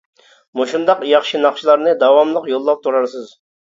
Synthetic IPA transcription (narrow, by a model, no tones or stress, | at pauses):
muʃund̪ɑqjɑχʃinɑχʃilˠɑɾnɨd̪ɑwɑmlˠəqjolˠːɑp̚t̪ʰuɾɑɾsɨz